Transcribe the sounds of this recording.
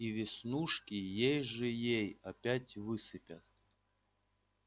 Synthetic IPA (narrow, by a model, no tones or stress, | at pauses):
ivʲɪsnuʂkʲijejʐɨjejɐpʲætʲvɨsɨpʲat̪̚